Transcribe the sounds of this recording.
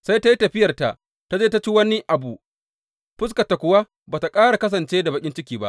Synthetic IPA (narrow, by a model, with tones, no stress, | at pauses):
sa˦jta˦ji˦tɐ˨ɸɪ˦jɐ˨rta̰˨ʔ | ta˦d͡ʒeː˦ta˦t͡ʃi˦wɐ˦ni˦ʔa˨bu˨ | ɸɪ˦s̬kɐ˨ta˨kʷʊ˨wa˦ | baː˨ta˨kʼaː˦ɽa˨kɐ˦s̬ɐ˨nt͡ʃeː˦da˨bɐ˨kʲʼɪ˦nt͡ʃɪ˦kʲiː˨ba̰˦ʔ